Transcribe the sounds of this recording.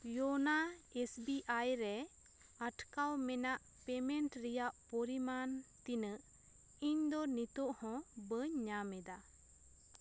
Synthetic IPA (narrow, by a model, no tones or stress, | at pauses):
jɔnaesbiʔajɾɛ | aʈkawmɛnaʔ | pɛmɛɳʈɾijaʔpɔɾimant̪inəʔ | iɲd̪ɔnit̪ɔʔhɔ̃bəɲːamɛd̪a